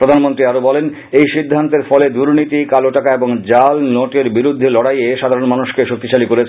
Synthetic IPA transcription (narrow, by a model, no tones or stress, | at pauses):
pɾod̪ʱanmont̪ɾiaɾobɔlen | ejʃid̪ʱːant̪eɾfɔled̪uɾnit̪ikaloʈakaeboŋd͡ʑalnoʈeɾbiɾud̪ʱːelɔɽajeʃad̪ʱaɾonmanuʃkeʃok̚t̪iʃalikoɾet͡ɕʰ